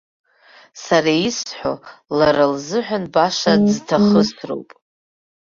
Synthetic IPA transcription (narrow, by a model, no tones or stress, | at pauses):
saɾaisħʷᶣolaɾalzɨħʷᶣanbaʃaztʰaχəztʰro̰wpʼ